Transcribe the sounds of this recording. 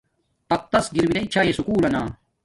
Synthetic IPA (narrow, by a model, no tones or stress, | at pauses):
ɐt̪ːɐsɡiɾminɐit͡ɕʰaːjesukuːlɐnaː